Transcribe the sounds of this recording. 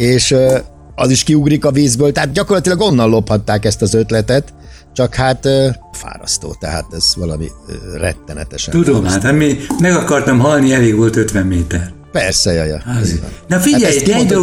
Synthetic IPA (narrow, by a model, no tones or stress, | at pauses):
eːʃ | ɒziʃkiuɡrikɒviːzbøːlt̪ɛɦaːt̪̚ɟɒkorlɒt̪ilɒɡo̞nːɒnlo̞phɒt̪ːaːkɛst̪ɒzø̞t̪lɛt̪ɛt̪ | t͡ʃɒkhaːt̪ːfa̰ːɾɒ̰st̪o̰ːt̪ɛɦa̰ːt̪ɛz̥ʋɒlɒmḭrɛ̰t̪ːɛnɛ̰t̪ɛʃɛ̰t̪ud̪omaːt̪ɛmimɛɡɒkɒrt̪ɒmɦɒlniɛleːɡʋolt̪øt̪ʋɛmːeːt̪ɛr | pɛrsɛjɒ̰jɒ̰z̰nnɒfiɟɛɛjskid̪